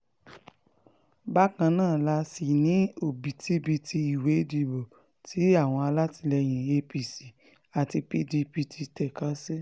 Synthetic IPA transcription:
ba˦kã˧nãː˦˨la˧˦si˨nĩ˨˦o˦˨bi˨tʰi˦bi˧tʰi˧i˨we˨˦di˧˨bo˨ | tʰi˨˦a˦˨w̃ɔ̃˧a˧la˦ti˧lɛ˧j̃ĩ˨e˧pi˨si˨ | a˨ti˧pi˧di˧pi˧ti˧tɛ˨ka˨˦se˦

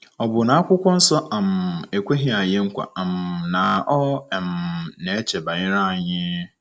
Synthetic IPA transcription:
ɔ˨bʊ˨nã˨a˦kʷʊ˦kʷɔ̃˦n̩˦sɔ˦ʔã˨me˨kʷe˦ɦĩ˦a˨jɛ̃˦ŋ̩˦kʷa̰˨ã˨mnã˨ɔ˦ɛ˨mnɛ̃˨˦t͡ɕʰɛ˨bã˨ɲɪ̃˦ɾã˦˨ɲɪ̃˦

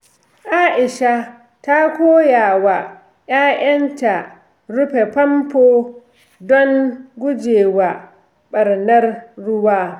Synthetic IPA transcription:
ʔaː˦ʔɪ˨ʃa˦ | ta˦kʷoː˦jaː˨wa˨ | jaː˦j̰ɐ˦nta˨ | ɽʊ˦ɸe˨pɐ˦mpoː˦ | dɔ˦ŋɡʷʊ˦d͡ʒeː˨wa˨ | ɓɐ˨rnɐ˦rːʊ˦waː˦

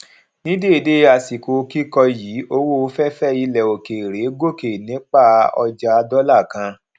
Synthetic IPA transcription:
nĩ˦de˦˨de˦a˧˨si˨ko˨˦ki˦kɔ˧ji˨˦o˧wo˦o˧˦fɛ˦fɛ˦i˧lɛ˨o˨ke˨ɾe˨˦ɡo˦˨ke˨nĩ˨˦k͡pa˦˨ɔ̰˧d͡ʒa˧dɔ˦la˦˨kã˧

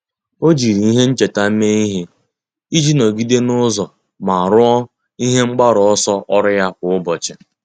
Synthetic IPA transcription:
o˦d͡ʒi˨ɾi˨i˦ɦe˦n̩˦t͡ʃe˨ta˦me˦i˦ɦe˦ | i˦d͡ʒi˦no˨ɡi˦de˦nʊ˦zɔ˨ | ma˨a˨ɾʊ˦ɔ˦ | i˦ɦe˦ŋ͡m̩˦ɡ͡ba˦ɾɔ˨ɔ˦sɔ˦ʔɔ˦ɾɪ˦ja˦kʷʊ˨ʊ˦bɔ˨t͡ʃɪ˨

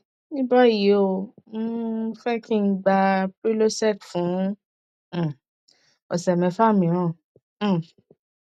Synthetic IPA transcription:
nĩ˦ba˦˨ji˨o˨m̩̃˦fɛ˦kʰĩ˦n̩˦ɡ͡ba˧pɾi˦lo˦sɛ˦˨tfũ˨˦˨ | ɔ̰˨sɛ˨mɛ̃˨˧˦fa˦˨mĩ˨˦ɾ̃ã˦˨˦

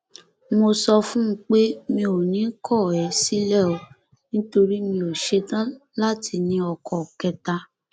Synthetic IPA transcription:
mo˧sɔ˧fũ˦k͡pe˦mĩ˧o˨nĩ˨˦kʰɔ˦˨ɛ˨˦si˦lɛ˦˨ɔ˧ | nĩ˦to˧ɾi˦mĩ˧o˨ʃe˨˦tã˦la˦tʰi˧nĩ˧˦ɔ˨kɔ˨kɛ˧ta˧

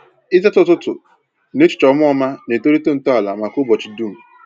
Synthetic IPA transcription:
ɪ˦ze˦tʊ˦tʊ˦tʊ̰˨ | ne˦t͡ʃʊ̥˨t͡ʃɔ˨˦mʊ˦ɔ˦ma˦ne˨to˦ɾi˦to˦n̩˨tɔ˦a˨la˨ma˨kʊ˦bɔ˨t͡ʃi˨du˦m̩˨

